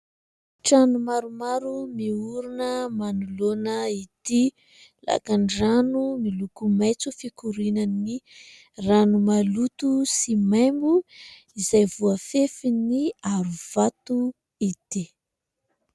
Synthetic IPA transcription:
ʈ͡ʂanumaɾumaɾumiuɾunəmanulonəid̪̥i | la̰kanranumilukumajt͡sufikuɾinani | ranumalut̪usimajmbu | izajvuafefiniaɾuv̥at̪u | id̪̥i

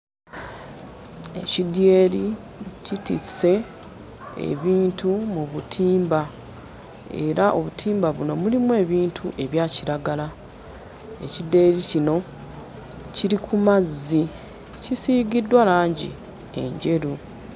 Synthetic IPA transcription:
e̞cidjeːli | citḭse̞ | ḛβiːntʰumuβutʰiːmba | e̞̰ɾaʔo̞βutʰiːmbaβuno̞mulimue̞ːβiːntʰuʔe̞βjaːciɾaɡala | e̞̰cide̞ːɾicino̞ | ciɾikʰumazːi | cisiːɡidːwalaːɲɟḭ | e̞̰ɲɟe̞ɾu

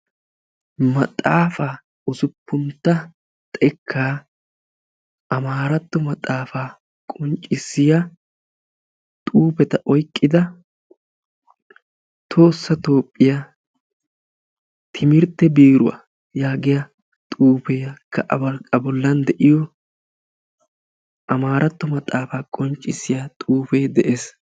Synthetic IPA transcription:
mɐt̪ʼaːfaː | ʊzʊpːʊnt̪ːɐ | t̪ʼɛkʰːaː | ʔɐmaːɾɐt̪ːɔmɐt̪ʼːaːfaː | kʼɔnt͡ʃʼɪsːɪjɐ | t̪ʼuːpɛt̪ɐʔɔjkʼːɪd̪ɐ | t̪ʰo̞ːsːɐt̪o̞ːpʼːɪja | t̪ʰɪmɪɾt̪ːɛbiːɾʊwa̰ | jaːɡɪjɐ | t̪ʼuːpeːkʰːɐʔɐ̰bɐlkʼɐbɔlːɐnd̪ɛʔɪjɔ | ʔɐmaːɾɐt̪ːɔmɐt̪ʼaːfaːkʼɔnt͡ʃʼːɪsːɪjat̪ʼuːfe̞ːd̪ɛʔeːs

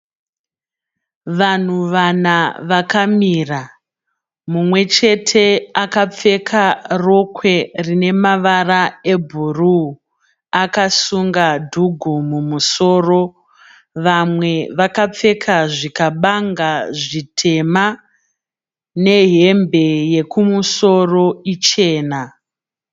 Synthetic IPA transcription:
ʋan̤uʋanaʋakamira | mumwe̞t͡ʃe̞tʰe̞akap͡fe̞kʰaro̞kʰwe̞rine̞maʋarae̞bʱuru | akasuŋɡadʱuɡʱumumuso̞ːro̞ | ʋamwe̞ʋakap͡fe̞kʰaʐikaɓaŋɡaʐitʰe̞ma | ne̞ɦe̞mbe̞je̞kumuso̞ro̞it͡ʃe̞ːna

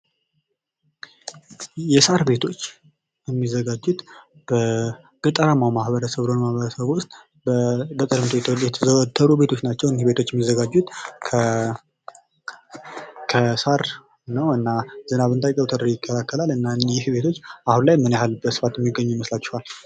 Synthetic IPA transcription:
jɛsaɾbe̞t̪ʰo̞t͡ʃː | jɛmːizːəɡad͡ʒːut̪ | b̥ə | ɡ̥ʼɨt̪ʼəɾamawmahβəɾəsəβɨlonmahβəɾəsəβʊst̪ʼ | bət̪ʼəɾɨmt̪ot̪ʰjɛt̪ʰt̪ʰːəɾube̞t̪ʰo̞t͡ʃːnat͡ʃːɛwnihbe̞t̪ʰo̞t͡ʃːjɛmːizːəɡad͡ʒːut̪ʰ | kʰəsaɾ | nəwɨnːazɨnaβɨnt̪ʰajkʼəwt̪ʰəɾijɪkʰːəlakʰːəlalɨnːanjɪhbe̞t̪ʰo̞t͡ʃːahunlajmːɨnjhalbəsɨ̥fat̪jɛmːiɡːəɲːuməslat͡ʃːɛhwal

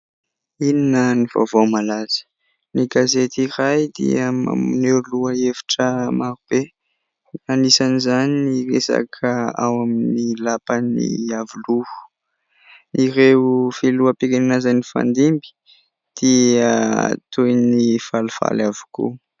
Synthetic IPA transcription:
ininəniv̥a̰vomalaz̥ə̥ | niɡazet̪irajd̪ḭəma̰mineɾluaefḁʈ͡ʂəmaɾub̥e | anisanizaniniresa̰kʰəa̰waminilapanḭavuluhu̥ | niɾefiluəpekeninazanifa̰nd̪imbi̥ | d̪̥iat̪ujnifalufa̰lavu̥kṵ

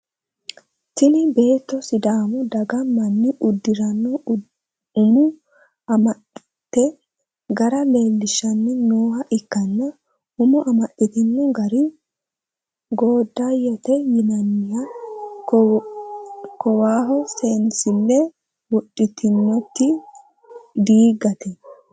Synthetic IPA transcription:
t̪ɪnɪbe̞ːt̪ːɔsɪd̪aːmɔd̪ɐɡɐmɐnːɪʔʊd̪ːɪɾɐnːɔ | ʊmʊ | ɐmɐ | t̪ːɛ | ɡɐɾɐle̞ːlːɪʃɐnːɛnoːhɐʔɪkːɐnːɐ | ʊmʊʔɐmɐɗɪt̪ɪnːɔɡɐɾɪ | ɡoːd̪ːajɔt̪ɛjɪnɐnːɪjɐ | kɔwaːɦɔsensɪnːɛ | wɔɗːɪt̪ɪnːɔt̪ːɪ | d̪iːɡɐt̪ɛ

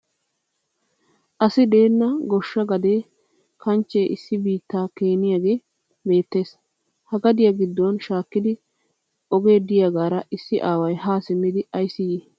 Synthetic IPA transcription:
ʔɐsɪd̪e̞ːnːɐɡɔʃːɐɡɐd̪eː | kɐnt͡ʃːeʔɪsːɪbiːt̪ːaːke̞ːnɪjaːɡe̞ː | be̞ːt̪ːe̞ːs | hɐɡɐd̪ɪjɐɡɪd̪ːɔnʃaːkːɪd̪ɪ | ɔɡe̞ːd̪ɪjaɡaːɾɐʔɪsːɪʔaːwɐjɦaːsɪmːɪd̪ɪɐjsɪjeː

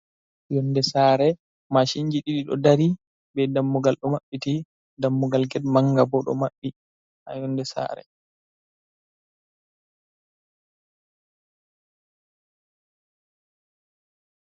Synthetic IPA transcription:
jɔndɛsaːɾɛ | maʃiɲd͡ʒiɗiɗiɗɔ̰daɾi | bɛdamːuɡalɗɔmaɓːiti | damːuɡalɡɛdmaŋɡabɔɗɔ̰maɓːi | ʔa̰jɔndɛsa̰ːɾɛ̰

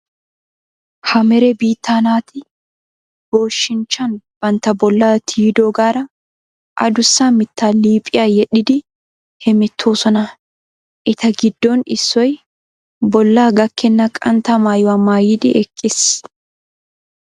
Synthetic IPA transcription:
hɐmɛɾɛbiːt̪ːaːnaːt̪ɪ | b̥oːʃːɪnt͡ʃːɐnb̥ɐnt̪ɐbɔlːaːt̪ʰiːd̪oːɡaːɾɐ | ʔɐ̰d̪ʊsːaːmɪt̪ʰːaːliːpʼɪjaːjɛɗɪd̪ɪ | hɛmɛt̪ʰːoːsɔnɐ | ʔɪt̪ɐɡɪd̪ːonɪsːɔj | bɔlːaːɡɐkːɛnːɐkʼɐnt̪ɐmaːjwɐmːaːjɪd̪ɪʔɛkʼːɪs

